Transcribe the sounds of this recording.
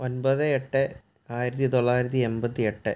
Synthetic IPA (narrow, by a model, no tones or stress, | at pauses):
o̞nbɐðɨeʈːɨ | aːjiɾɐt̪̬ːit̪oɭːaːjiɾɐt̪ːiembɐt̪ːieʈːɨ